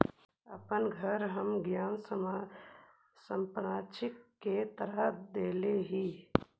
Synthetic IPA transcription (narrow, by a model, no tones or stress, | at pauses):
ə̰pənɡʱəɾɦəmɡjaːns | səmpɾãːt͡ʃɪkːet̪əɾəɦd̪eːleɦiː